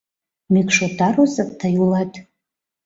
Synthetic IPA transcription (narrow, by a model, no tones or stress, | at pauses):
mikʰʼʂotʰarozakʼtʰajulatʼ